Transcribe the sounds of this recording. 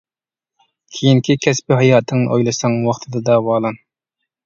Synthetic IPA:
kʲʰejiŋkʲʰikʲʰɛspɪɦɑjɑːt̪ʰɨŋnɨʔojlˠɨsɑŋwɑχt̪ʰɨd̪ɨd̪ɑwɑːlˠɑn

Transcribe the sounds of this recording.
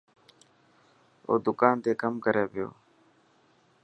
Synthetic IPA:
o̰ːd̪ʊkaːnt̪eːkəmkəɾeːʋɪjo̰ː

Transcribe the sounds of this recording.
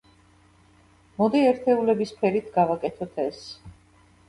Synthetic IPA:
mɔd̪iɛɾt̪ʰɛulɛbispʰɛɾit̪ʰɡavakʼɛt̪ʰɔt̪ʰɛs

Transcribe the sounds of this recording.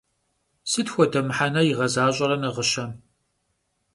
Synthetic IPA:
sɨtxʷɔdɐmħanɐjɪʁɐzaːɕʼɐɾɐnɐʁəʃɐm

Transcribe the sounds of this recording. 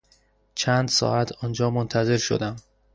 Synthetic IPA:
t͡ʃʰænd̪sɒ̰ːæt̪ʰɒːnd͡ʒɒːmont̪ʰæze̞ɾʃo̰d̪æm

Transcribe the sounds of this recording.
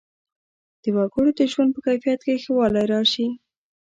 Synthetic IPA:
d̪̥əwɑɡʊɽod̪əʒwand̪̚pəkajfijat̪kexəwɑlajɾɑʃi

